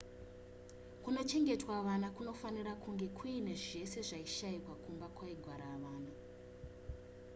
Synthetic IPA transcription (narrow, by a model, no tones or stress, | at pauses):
kuno̞t͡ʃe̞ŋɡe̞twaʋanakuno̞fanirakuŋɡe̞kʰuine̞ʐe̞se̞ʐaiʃaikwakumbakwaiɡʱwaɾaʋaːna